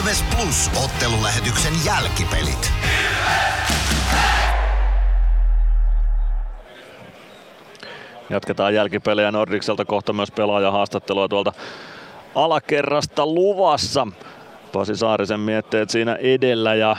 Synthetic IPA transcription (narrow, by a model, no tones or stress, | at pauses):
ʋesplus | ot̪ːelulæɦet̪yksenjælkipḛlḭt̪ | jɑt̪ket̪ɑːjjælkipelːejænordikselt̪æko̞ht̪ɑmyøspelɑːjɑɦɑːst̪ɑt̪ːeluɑt̪uɑlt̪ɑ | ɑlɑkerːɑst̪ɑluʋɑsːɑ | p̪ɑsisɑːrisemmiet̪ːeːt̪siːnæ̰ʔedelːæjɑ